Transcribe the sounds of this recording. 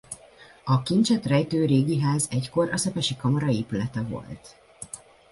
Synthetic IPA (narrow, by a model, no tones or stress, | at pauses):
ɒkint͡ʃɛt̪rɛjt̪øːɾeːɡiɦaːzɛcko̞ɾɒsɛpɛʃikɒmɒɾɒeːpylɛt̪ɛvo̞̰lt̪